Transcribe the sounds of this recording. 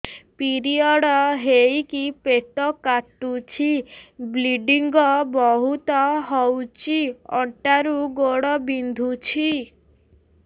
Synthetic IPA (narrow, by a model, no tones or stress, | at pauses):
piɾiɔɽɔɦejkipeʈ̪ɔkaʈut͡ʃʰibliɖiŋɡɔbɔɦut̪ɔɦɔwt͡ʃiɔ̰ɳʈaɾuɡoɽɔbind̪ʱut͡ʃʰi